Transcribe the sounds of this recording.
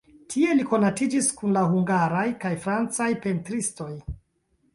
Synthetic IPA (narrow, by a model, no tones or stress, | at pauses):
tʰie̞liko̞natid͡ʒiskunlaɦuŋɡaɾajkajfɾant͡sajpe̞ntɾisto̞j